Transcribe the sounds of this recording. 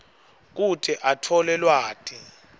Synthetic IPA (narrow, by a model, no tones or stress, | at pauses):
k̬utʰʼɛʔatʰɔlɛlwaːtʼi